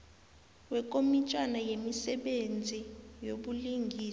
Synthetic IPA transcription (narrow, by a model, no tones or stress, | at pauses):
wɛkʼomit͡ʃʼwanajemisɛɓend͡zʱijoɓuliŋɡʱiːs